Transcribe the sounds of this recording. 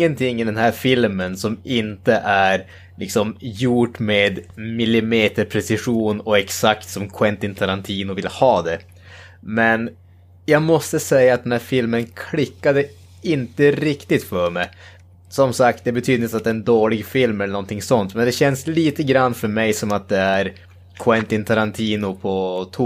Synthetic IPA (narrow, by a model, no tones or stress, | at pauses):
ənt̪ʰɪŋːɪd̪ɛnɦæːɾfɪlmənsɔmɪnt̪əʔæɾ | lʔɪksɔmjuʈmeːd̪mɪlːɪmeːt̪əɾpʰɾɛsɪɧuːnɔɛksakt̪sɔmkʰwɛnt̪ɪnt̪ʰaɾant̪ʰiːnʊvɪlhɑːd̪ɛ | mɛn | jɑːɡmɔst̪əsɛjːaat̪̚ɛnhæːɾfɪlmənkʰlɪkːad̪ə | ɪnt̪əɾɪkt̪ɪt̪fœɾmɛj | sɔmsak̚t̪̚d̪ɛbɛt̪ʰyːd̪ɪt̪at̪̚d̪ɛːɛnd̪oːlɪɡfɪlmɛlːəɳɔnt̪ʰɪŋsɔnt̪mɛnd̪ɛɕɛnsliːt̪əɡɾanːfœɾmɛjsɔmat̪̚d̪ɛæɾ | kʰwɛnt̪ɪnt̪ʰaɾant̪ʰiːnʊpʰɔt̪ʰu